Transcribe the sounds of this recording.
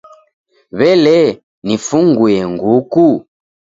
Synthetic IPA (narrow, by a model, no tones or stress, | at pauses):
βɛlɛ | nifuŋɡuɛŋɡuku